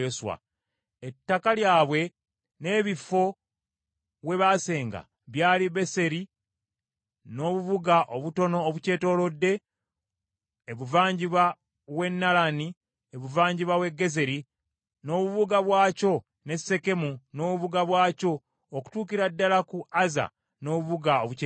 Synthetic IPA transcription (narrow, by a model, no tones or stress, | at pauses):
oswa̰ | etːakaljaːβwe̞ | ne̞ːβifːo̞ | βwe̞βaːse̞ːŋɡa̰ | βjaːliβe̞se̞ɾi | no̞ːβuβuɡaʔoβuto̞no̞ːβuce̞ːto̞ːlo̞dːe̞ | eβuvaːɲɟiβa | we̞nːalani | eβuvaːɲɟiβawe̞ɡːe̞ze̞ɾi | no̞βuβuɡaβwaːco̞ | ne̞se̞ke̞muno̞ːβuβuɡaβwaːco̞ː | ku̥tuːkiɾadːalakuaza̰ | no̞ːβuβuɡaoβu